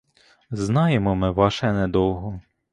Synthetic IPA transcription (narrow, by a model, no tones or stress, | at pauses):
znɑjemɔmɪʋɑʃɛnɛd̪ɔwˠɦɔ